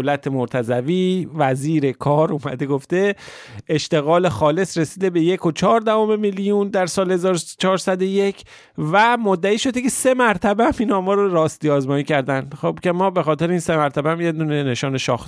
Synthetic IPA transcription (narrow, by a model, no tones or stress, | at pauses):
olæt̪ʰemoɾt̪ʰæzæviːvæziːɾe̞kʰɒːɾuːmæ̰d̪e̞ɡo̞ft̪e̞ | eʃt̪e̞ɣɒːle̞xɒːle̞sɾesiːd̪e̞be̞jekʰo̞t͡ʃʰɒːɾd̪æhome̞milijund̪æɾsɒːlhe̞zɒːɾot͡ʃʰɒːɾsæd̪o̞je̞cʰ | væmod̪ːæiːʃo̞d̪ece̞se̞mæɾt̪ʰæbeæmiːnhɒːmɒːɾoɾɒːst̪iːɒːzmɒːjiːcʰæɾd̪ænd̪xob̥cʰe̞mɒːbe̞xɒːt̪e̞ɾeiːnsemæɾt̪ʰæbeæmje̞d̪uːnene̞ʃɒːneʃɒ̰ːx